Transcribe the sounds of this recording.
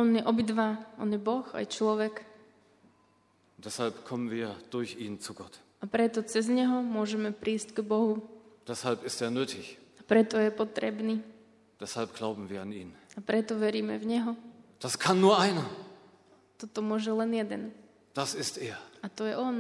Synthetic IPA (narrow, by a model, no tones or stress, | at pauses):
ɔnjɛʔɔbid̪ʋaʔɔnjɛbɔxa̰jt͡ʃlɔʋɛk | ʊnd̥ɛshalpkʰɔmənviːɐd̥ʊɐçiːnt͡suɡɔt | apɾɛt̪ɔt͡sɛzɲɛɦɔmʊɔʒɛmɛpɾiːscɡbɔɦud̥ɛshalpɪsteːɐnøːtʰɪçapɾɛt̪ɔjɛpɔt̪ɾɛ̰bniː | d̥ɛshalpɡ̥laʊbm̩viːɐanḭːnapɾɛt̪ɔʋɛɾiːmɛ̰vɲɛɦɔd̥askʰanːuːɐʔaɪnɐ | t̪ɔt̪ɔmʊɔʒɛlɛnjɛd̪ɛn | d̥asɪstʔeːɐat̪ɔjɛʔɔn